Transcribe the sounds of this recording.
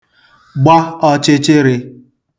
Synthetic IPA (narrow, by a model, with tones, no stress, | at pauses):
ɡ͡ba˦ɔ˦t͡ʃe˦t͡ʃe˦ɾe˧